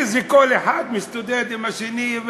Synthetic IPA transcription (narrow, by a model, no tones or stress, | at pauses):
zikoleħad̪mist̪ud̪ed̪imaʃeniv